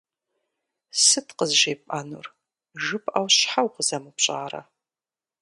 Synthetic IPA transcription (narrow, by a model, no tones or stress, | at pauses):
sɨtʰqəzʒejpʼaːnṵr | ʒɨpʰʼʔawɕħawqəzɐmɨpɕʼaːrɐ̰